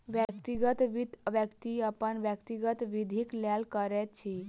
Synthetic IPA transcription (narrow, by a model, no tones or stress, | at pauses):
ʋjəkt̪iɡət̪ʋiʋjəkt̪iəpənʋjəkt̪iɡət̪ʋid̪ʱiklɛlkəɾɛt̪̚t͡ʃʰi